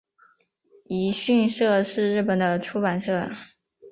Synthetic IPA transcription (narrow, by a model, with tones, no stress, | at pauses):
i˧˥ɕy˥˧nʂɤ˥˧ʂɻ̩˥˧ɻɻ̩˥˩pə˨˩nd̪ə˦ʈ͡ʂʰu˥pa˨˩nʂɤ˥˩